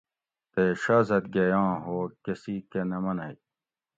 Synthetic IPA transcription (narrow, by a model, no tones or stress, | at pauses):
t̪eɕaːzɐt̪̚ɡɐjãːɦoːkesikenɐmɐnɐj